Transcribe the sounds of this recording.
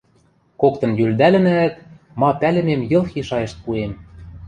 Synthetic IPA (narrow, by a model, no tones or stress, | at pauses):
kokt̪ɤ̆njyld̪ælɘ̆næt̪ | mɑpælɘ̆memjɤ̆lˠxiʃɑjĕʃt̪̚puem